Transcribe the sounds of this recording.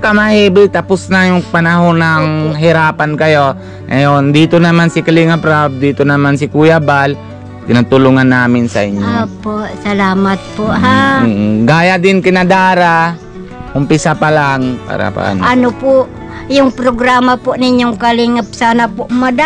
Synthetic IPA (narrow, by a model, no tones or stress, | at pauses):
kɐmahiːbɪt̪ɐpʊsnajʊŋpanaɦonaŋɦɪɾaːpankɐjo̞ | ŋɐjond̪iːt̪onɐmansɪkaliŋapɾab̚d̪iːt̪onɐmansɪkujabal | k̪ɪnat̪ʊluŋanːaːmɪnsɐ̰ʔɪɲjoopoʔsɐlaːmat̪̚poʔɦa | ɡaːjad̪ɪnkɪnɐd̪aːɾa | ʊmpɪsapalaŋpa̰ːɾa̰pa̰ʔɐ̰nʔɐnopʊʔ | jʊŋpɾoɡɾaːmapʊʔnɪɲjoŋkalɪŋap̚saːnapʊʔmɐd̪a